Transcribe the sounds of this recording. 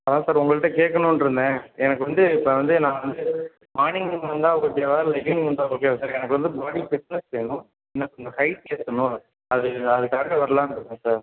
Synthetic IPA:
ɐðãːsaːɾʊŋɡɐɭɯʈːɐkeːʈkːɐnʊ̃nɪɾɯnd̪ẽːɛnɐkːɯʋɐnd̪ɯɪpːɐʋɐnd̪ɯnãːʋɐnd̪ɯ | maːnɪŋɡɯŋʋɐnd̪ãːɐʋɐɡɐpaʋaːɾlɐɪkɪŋɡɐɐnd̪ãːokːeːsaːɾɛnɐkːɯʋɐnd̪ɯbaːɽifɪsnɛssɛjnʊ̃ | ɛnːɐkʊŋɡɐkɐɪkeːt̪ːɐnʊ̃ | ɐðɯɐðɯkaːɾɐkɐʋɐɾɐlãːɪnɪɾɯnɛ̃saːɾ

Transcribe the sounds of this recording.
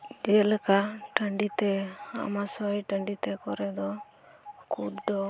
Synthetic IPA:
d͡ʒɛɛləkaʈəɳɖit̪ɛa̰masɔjʈəɳɖit̪ɛkɔɾɛd̪ɔ | kud̪d̪ɔ

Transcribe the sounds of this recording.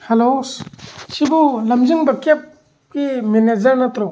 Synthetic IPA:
helossibulɐmziŋbɐkep̚ | kimened͡ʒɐɾnɐt̪ɾɔ

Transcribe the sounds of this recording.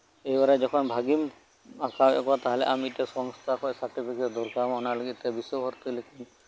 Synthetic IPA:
ejbaɾɛd͡ʒɔkʰɔnbʱaɡim | akabɔ̰kbat̪aɦalɛ̰ʔamiʈɛsɔŋst̪ʰakʰɔsaɾʈipʰiketd̪ɔɾkamɔnalɔɡit̪t̪ɛbisɔbʱɔɾt̪ilekin

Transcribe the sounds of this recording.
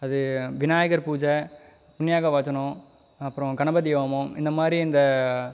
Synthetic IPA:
ɐðɯʋɪnaːjɐɣɐɾpuːd͡ʒɐ | pʊnːɪjaːɣɐʋaːt͡ʃːɐnɳʊ̃ | ɐpːɯɾɔ̃ɡɐɳɐbɐd̪iːʋɐmõɪ̰nd̪ɐmaːd̪ɾiɪnd̪ɐ

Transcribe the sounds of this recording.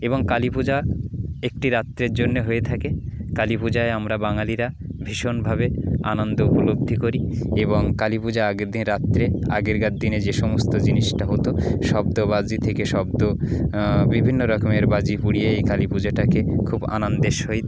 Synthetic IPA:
eβoŋkalipud͡ʑaek̚ʈiɾat̪ːɾeɾd͡ʑonːeɦoet̪ʰakekalipud͡ʑaeamɾabaŋaliɾa | bʱiʃonbʱabea̰nond̪oupolob̚d̪ʱikoɾieboŋkalipud͡ʑaaɡeɾd̪inɾat̪ːɾea̰ɡeɾɡad̪dːined͡ʑeʃɔmost̪od͡ʑiniʃʈaɦot̪oʃɔb̚d̪obad͡ʑit̪ʰekeʃɔb̚d̪o | bibʱinːoɾɔkomeɾbad͡ʑipuɽijeejkalipud͡ʑaʈakekʰuba̰nand̪eʃɦoj

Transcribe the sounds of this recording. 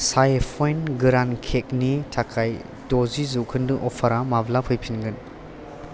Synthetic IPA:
sajpʰɔjnɡɯɾankʰek̚nitʰakʰaj | dɔzizukʰɯndɯʔɔpʰaɾamablapʰɯjpʰinɡɯn

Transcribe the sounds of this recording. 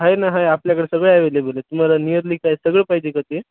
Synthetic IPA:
ɦajnaɦajapljakəɽesəɡɭeajʋelebolet̪um̤alanijəɾliːkajsəɡɭepaɦid͡ʑekət̪e

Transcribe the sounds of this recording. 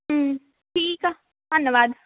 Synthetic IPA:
ɦ | ʈʰiːka | d̪ʱənːjəʋaːd̪

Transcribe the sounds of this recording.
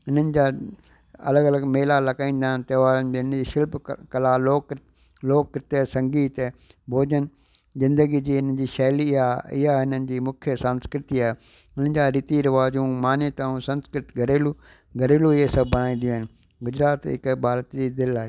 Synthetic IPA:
ɪn̤ənɪ̆d͡ʑaː | ɐ̰ləɡɐləɡmeːlalɐkaːĩːn̆d̪aːɦɪnɪt̪ɐːʋaːɾənɪd͡ʑnəd͡ʑiːʃɪlbkɐlaːloːk | loːkːɪɾɪt̪esɐ̃ŋɡiːt̪bʱoːd͡ʑənɪ | zɪ̃nd̪əɡid͡ʑiːɪn̤ənd͡ʑiːʃɛːliɪaɪ̰ɦaɦɪnənɪ̆d͡ʑiːmʊkʰjəsə̃nskɾɪt̪iaːɦeʊn̤ənɪ̆d͡ʑaːɾiːt̪iɾɪʋaːd͡ʑũmaːnet̪ãːũsɐ̃nskɾɪt̪ɡɐɾeːlu | ɡʱɐɾeːluɪɦesɐb̚bɐɽ̃aːĩːn̆d̪ijũaːɦɪ̃nɪ̆ | ɡʊd͡ʑɾaːt̪ɦɪ̰kbʱaːɾət̪d͡ʑiːd̪ɪlaːɦe

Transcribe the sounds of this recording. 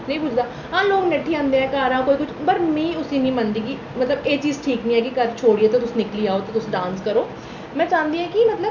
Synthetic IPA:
nəĩːbʊd͡ʒd̪aː | ɦãːloːɡnəʈʰːiːãːnd̪ẽːɦɛ̃ːkaːɾãːkoːiːkʊt͡ʃʰbəɾmɛ̃iːʊsĩːnĩːmand̪iːɡiː | mət̪ləbeːt͡ʃiːzʈʰiːknĩɛ̃ːkɪkəɾt͡ʃʰoːɽiːeːt̪et̪ʊsːnɪkliːaːoːt̪et̪ʊsɖãːnskəɾoː | mɛ̃ːt͡ʃãːnd̪iːɦãːkɪmət̪ləb

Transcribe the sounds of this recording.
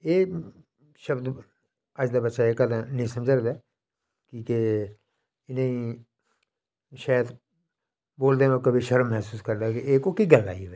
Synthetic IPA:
eː | ʃəbd̪ | əd͡ʒd̪aːbətːʃaːeːkəd̪ãnĩːsəmd͡ʒəɾd̪aː | kiːke | ɪneĩː | ʃaːjt̪ | boːld̪eːõkəbiʃəɾəmːɛːsuːskəɾd̪aːkeeːkoːkiɡəlːa̰ːiʋəː

